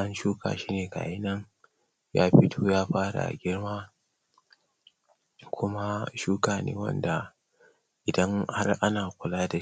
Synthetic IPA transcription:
ʔa˦nʃuː˦kʰa̰ː˨ʃiː˦neː˨ka̰˨ʔɪ˦nɐ˦ŋ | ja̰ː˦ɸɪ˦tʰoː˦jaː˦ɸaː˦ɽa̰˨ɡʲɪ˦rmaː˦ | kʷʰʊ˦ma˦ʃuː˦kaː˨nḛː˦wɐ̰˦nda˨ | ʔɪ˨dɐ˦ŋha˦rʔa˦naː˨kʷʊ˨laː˦da˨

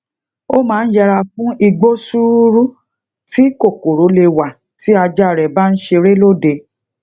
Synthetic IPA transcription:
o˦mãː˦n̩˦d͡ʒɛ˧ɾa˧fũ˦i˧ɡ͡bo˦su˦ɾu˦ | ti˦ko˦˨ko˨ɾo˨˦le˧wa˨ | ti˦a˧d͡ʒa˦˨ɾɛ˨ba˦n̩˦ʃe˧ɾe˦lo˦˨de˧

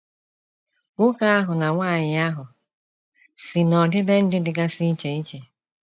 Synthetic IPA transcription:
ŋʷʊ˦ka˦a˦ɦʊ˨na˨ŋʷaː˦˨ɲɪ˨a˦ɦʊ˨ | si˨nɔ˨dɪ˦be˦n̩˦dɪ˦dɪ˨ɡa˦sɪ˦i˦t͡ʃe˨i˦t͡ʃe˨

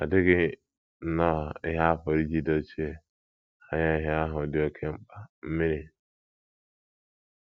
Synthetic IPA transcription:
a̰˨dɪ˦ɡɪ˦ | n̩˦nɔ˦ɔ˨ɪ˦ɦa˦a˦fo˨ɾi˦d͡ʒi˦do˦t͡ʃi˦e˨ | a˨ɲa˦ɪ˦˨ɦe˦a˦ɦʊ˨dɪ˦o˦kʰe˦ŋ͡m̩˦k͡pa˨m̩˦mi˦ɾi˨

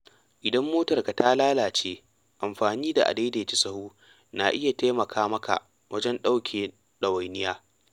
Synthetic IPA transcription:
ʔɪ˨dɐ˦mːoː˦tɐ˨rka˨ta˦laː˦laː˨t͡ʃeː˦ | ʔa˨mɸaː˨niː˦da˨ʔa̰˨de˦de˨t͡ʃi˦sɐ˦huː˦ | na˨ʔɪ˦ja˨taː˦mɐ˨kʰaː˦mɐ˦ka̰˨ʔ | wɐ˦d͡ʒɛ˦nɗa˦wkʲʰeː˨ | ɗɐ˨wa˨jnɪ˦jaː˦

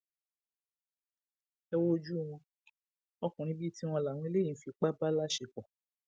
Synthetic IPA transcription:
ɛ˧wo˦d͡ʒu˦˨w̃ɔ̃˧ | ɔ˧kũ˨ɾ̃ĩ˧˦bi˦ti˦w̃ɔ̃˧la˨w̃ɔ̃˧i˦le˦ĩ˨˦fi˧k͡pa˦ba˦la˦ʃe˨kɔ̃˨

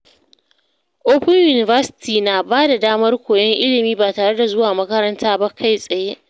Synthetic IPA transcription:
ʔoː˦ɸɪ˦ɲjuː˨nɪ˨vɐ˦sɪ̥˦tʰiː˨naː˨baː˦da˨daː˦mɐ˦rkʷoː˨jɐ˦ŋʔɪ˦lɪ˨miː˦baː˨taː˨ɽe˦da˨zʊ˦waː˨mɐ˦kɐ˦ɾɐ˦ntaː˦ba˦kʰa˦˨jsʼɐ˨je˦

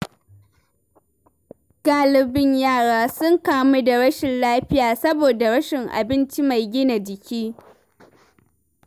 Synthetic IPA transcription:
ɡ̥aː˦lɪ˨bɪ˦ɲjaː˦˨ɽaː˦sʊ˦ŋkaː˦mu˦da˨ɽɐ˦ʃɪ˨nlaː˦ɸɪ˦jaː˨sɐ˦boː˨da˨ɽɐ˦ʃɪ˨ŋʔa̰˨bɪ˦nt͡ʃi˦ma˨jɡʲɪ˦na˨d͡ʒɪ˨kʲiː˦

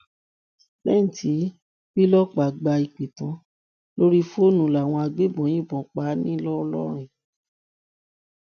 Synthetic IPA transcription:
bɛ˦n̩˨ti˨˦ | bi˦lɔ˦k͡pa˨ɡ͡ba˧i˨k͡pe˨tã˨˦ | lo˦ɾi˦fo˦nũ˨la˨w̃ɔ̃˧a˧ɡ͡be˦bɔ̃˨˦j̃ĩ˦˨bɔ̃˨k͡pa˨˦nĩ˦lɔ˦ɔ˧lɔ̰˦ɾ̃ĩ˨

